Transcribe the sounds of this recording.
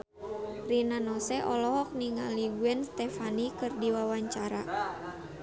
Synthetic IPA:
rinanɔsɛʔɔlɔɦɔk̚niŋaliɡuɛnst̪ɛfanikɨrdiwawaɲt͡ʃaɾa̰

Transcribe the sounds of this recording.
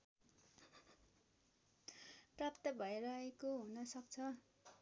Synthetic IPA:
prapt̪ʌbʱʌeɾʌekoɦunʌsʌk̚t͡sʰʌ

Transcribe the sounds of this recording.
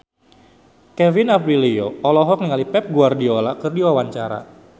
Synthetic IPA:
kɛvinapɾilioɔlɔɦɔk̚niŋalipɛp̚ɡuardiolakɨrdiwawaɲt͡ʃaɾa̰

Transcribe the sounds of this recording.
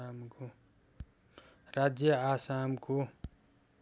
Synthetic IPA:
mk | rad͡zjʌasamko

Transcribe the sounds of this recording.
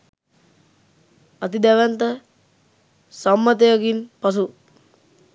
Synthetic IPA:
at̪id̪æʋænt̪ə | samːət̪ejakinpas̬u

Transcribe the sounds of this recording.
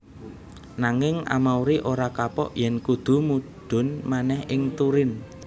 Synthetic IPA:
naŋɪŋa̰mawɾiʔoɾakapɔ̰ʔjɛnkud̪̥ṳmuɖ̥ʊ̤nmanɛhʔɪŋt̪uɾɪn

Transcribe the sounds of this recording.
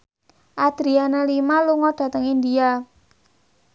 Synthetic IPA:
ʔad̪̥ɾianalimaluŋɔɖ̥ä̤t̪əŋind̪ia

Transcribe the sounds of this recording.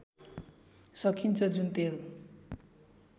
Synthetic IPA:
sʌkʰint͡sʰʌd͡zunt̪eɾu

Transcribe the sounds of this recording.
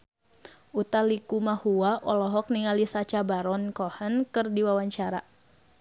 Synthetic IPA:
ʔut̪alikumahuwaʔɔlɔɦɔk̚niŋalisat͡ʃabaɾɔnkɔhankɨrdiwawaɲt͡ʃaɾa

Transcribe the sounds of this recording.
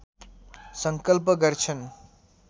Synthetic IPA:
sʌŋkʌlpʌɡʌɾt͡ʃʰʌn

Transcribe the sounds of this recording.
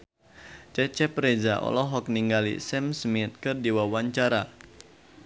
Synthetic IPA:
t͡ʃɛt͡ʃɛprezaʔɔ̰lɔɦɔk̚niŋɡalḭsɛmsmit̪̚kɨrdiwawaɲt͡ʃaɾa

